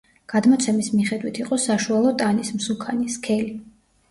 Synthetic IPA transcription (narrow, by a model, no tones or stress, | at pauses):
ɡ̥ad̪mɔt̪sʰɛmismiχɛd̪wit̪ʰiqʼɔsaʃualˠɔt̪ʼanismsukʰaniskʰɛli